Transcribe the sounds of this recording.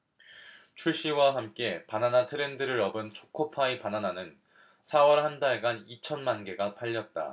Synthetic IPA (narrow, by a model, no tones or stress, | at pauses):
t͡ɕʰuɭɕ͈iwaɦamk͈e̞pananatʰɯɾe̞ndɯɾɯɾʌbɯnt͡ɕʰo̥kʰopʰaepanananɯn | sʰawʌɾhandaɭɡanit͡ɕʰʌnmanɡe̞ɡapʰaʎːʌt̚t͈a̰